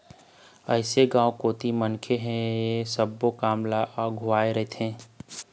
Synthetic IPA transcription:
əɪseɡãːwkoːt̪imənkʰeɦɛ̃jesəbːokaːmlaʔɔɡʱʊaːeɾəɦet̪ɛ̃ː

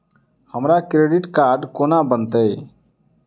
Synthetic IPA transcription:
həmɾakɾeːɖɪʈkaːɾɖkoːnabənt̪ə

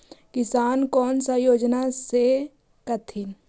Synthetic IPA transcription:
kɪsaːnkɔːnsajoːd͡ʒnase | kət̪ʰɪn

